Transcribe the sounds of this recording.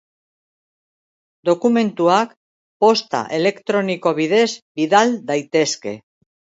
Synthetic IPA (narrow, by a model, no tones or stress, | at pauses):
d̪o̞kume̞nt̪uak | po̞st̪a̰ʔe̞le̞kt̪ɾo̞niko̞βið̞e̞zbiðald̪ajt̪e̞ske̞̰